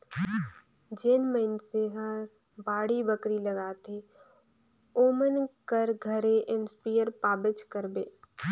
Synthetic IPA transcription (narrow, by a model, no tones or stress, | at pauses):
d͡ʒeːnməɪnseɦə̃ | baːɽibəkɾilɐɡaːt̪e | oːmənkəɾɡʱəɾeʔɪnspijəɾpaːbɪt͡ʃkəɾbeː